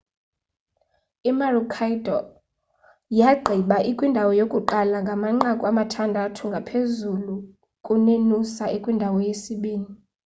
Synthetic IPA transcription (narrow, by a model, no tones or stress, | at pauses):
imarukʰajdʱɔ | jaɡ͡ǃʱiɓaʔikʼwindʱawɔjokʼuǃalaŋɡʱamaŋ͡ǃakʼuamatʰandʱatʰuŋɡʱapʰezulu | kʼunenusaekʼwindʱawɔjesiɓiːni